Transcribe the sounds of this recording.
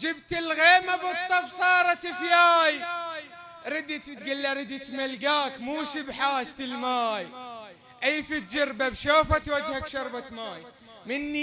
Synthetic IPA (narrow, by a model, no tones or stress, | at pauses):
d͡ʒɪbt̪ɪlɣeːmabɨt̪ˤːɑfsˤɑːɾˤɑt̪ɪfjaːj | ɾɪd̪it̪bt̪ɡɪlːaɾˤɪd̪it̪malɡaːkmuːʃibħaːʃt̪ɪlmaːj | ʔajːfit̪d͡ʒɑɾbabʃoːfat̪wad͡ʒhakʃɑɾˤbat̪maːj | mɪnːi